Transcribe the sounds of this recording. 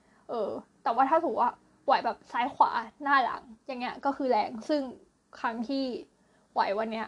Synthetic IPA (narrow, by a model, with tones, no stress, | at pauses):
ʔɤː˧t̪ɛː˨˩waː˥˩t̪ʰaː˥˩t̪ʰuː˩˦kwaː˥˩ | wa˨˩˦jbɛː˨˩p̚saː˦˥jkʰwa̰ː˩˦naː˥˩la̰˩˦ŋja˨˩ŋːi˦˥ɐ˧˩kɔː˥˩kʰɯː˧lɛː˧ŋsɯ˥˩ŋ | kʰɾa˦˥ŋt̪ʰiː˥˩ | wa̰˨˩˦jwa˧nːi˦˥ɐ